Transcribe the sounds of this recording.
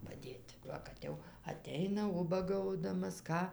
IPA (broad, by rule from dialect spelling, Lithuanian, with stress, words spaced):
pɐˈdʲeːtʲ ˈʋɐ kɐt ˈjɛʊ ɐˈtʲɛɪnɐ ˈʊbɐɡɐʊdɐmɐs ˈkɑː